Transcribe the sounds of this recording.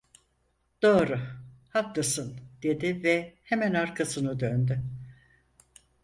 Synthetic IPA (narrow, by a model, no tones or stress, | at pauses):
d̪̥o̞ːɾʊhak̚lˠasɯnd̪̥e̞d̪ɪvɛhemænaɾkʰasɯnɯd̪ønd̪ʏ